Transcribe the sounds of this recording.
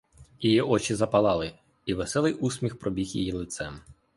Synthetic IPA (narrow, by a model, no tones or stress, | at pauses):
jijiʔɔt͡ʃizɐpɐlˠɑlˠɪ | iʋesɛlˠɪʔusʲmʲixpɾɔbʲixjḭjilˠɪt̪sɛm